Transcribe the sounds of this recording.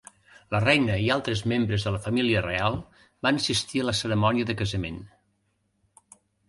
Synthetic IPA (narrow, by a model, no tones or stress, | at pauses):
lərɛjnəialˠt̪ɾəzmembɾəzðələfəmiliərealˠ | banəsist̪iələsəɾəmɔniəðəkəzəmḛn